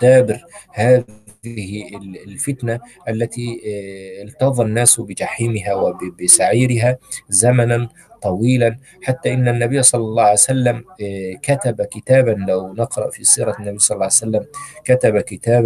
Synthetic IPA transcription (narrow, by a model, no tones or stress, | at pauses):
d̪aːbɪɾhaːɪhlfɪt̪naʔalːat̪i | ɪlt̪ɑðˤɑnːaːsbɪd͡ʒaħiːmɪɦawɪbbɪsaʕiːɾɪɦazamanan | t̪ˤɑwiːlan | ħat̪ːaʔɪnːanːabɪjːsˤɑlːɑlˤːɑːʕaljsalːamkat̪abakɪt̪aːbanlawnɪqɾˤɑ̰ʔfisˤiːɾˤɑnːabijːsˤɑlɑlːɑːajsalːamkat̪abakɪt̪aːb